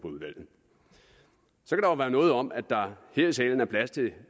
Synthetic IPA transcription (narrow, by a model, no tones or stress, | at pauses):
pʰɒuðˠʋæl̰ð̩ˠ | sɒ̽kʰæɾ̥ɑʊʋæːɐnɔ̽ːð̩ˠɒ̽mʔæ̥ɑ̈heɐisɛ̰ːln̩æɐpʰlæst͡sʰe̝